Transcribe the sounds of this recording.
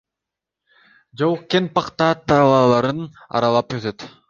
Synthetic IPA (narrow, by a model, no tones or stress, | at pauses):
d͡ʒowuqkenpɑqt̪ɑːt̪ʰːɑlˠɑːlˠɑɾɯn | ɑ̰ɾɑlˠɑpøt̪ʰøt̪